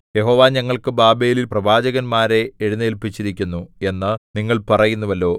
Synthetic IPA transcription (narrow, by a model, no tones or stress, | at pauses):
je̞ɦo̞ːʋaːɲɐŋːɐɭkɨbaːbeːlilprɐbʱaːd͡ʑɐɣɐnmaːɾe̞ːɻunːɨelpːit͡ɕːiɾikʲːunːue̞nːɨniŋːɐɭpɐrɐjunːuʋɐlːo̞ː